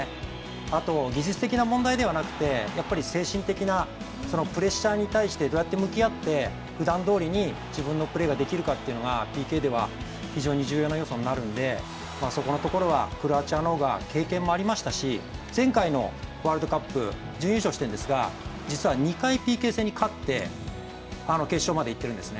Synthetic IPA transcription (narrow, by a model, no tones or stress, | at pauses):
at̪o̞ɡʲiʑit͡sɨ̥t̪e̞kʲinamõ̞nd̪aid̪e̞β̞anakɯ̟̥t̪e̞japːaɾʲise̞ːɕĩnt̪e̞kʲina | so̞no̞pɯ̟ɾe̞ɕaːɲ̟it̪aiɕi̥t̪e̞d̪o̞ːjat̪ːe̞mɯ̟kʲiat̪ːe̞ | ɸɯ̟d̪ãnd̪o̞ːɾʲiɲ̟i | d͡ʑibɯ̟̃nːopɯ̟ɾe̞ːɡad̪e̞kʲiɾɯ̟kat̪ːe̞iɯ̟no̞ɡapʲiːke̞ːd̪e̞βa̰ | çiʑo̞ːɲ̟iʑɨːjo̞ːnajo̞so̞ɲnaɾɯ̟̃nd̪e̞ | maːso̞ko̞no̞t̪o̞ko̞ɾo̞βa̰kɯ̟ɾɯat͡ɕiano̞ːɡa̰ke̞ːkẽ̞mːo̞aɾʲimaɕi̥t̪aɕid͡zẽ̞ŋkaino̞̰βaːɾɯd̪o̞kapːɯ̟̰ | d͡ʑɨ̃jɯ̟ɕo̞ːɕi̥t̪ẽ̞nd̪esɨɡa̰ | d͡ʑit͡sɨβaɲ̟ikaipʲiːke̞ːse̞ːɲ̟ikʰat̪ːe̞ | ano̞ke̞ːɕo̞ːmad̪e̞it̪ːeɾɯ̟̃nd̪e̞sɨne